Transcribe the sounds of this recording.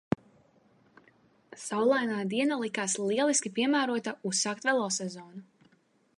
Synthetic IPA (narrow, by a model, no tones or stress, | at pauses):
sawlˠajnaːd̪iɛnalˠikaslˠiɛlˠiskʲipiɛmæːɾuɔt̪ausːaːk̚t̪vɛlˠɔsɛzɔːnu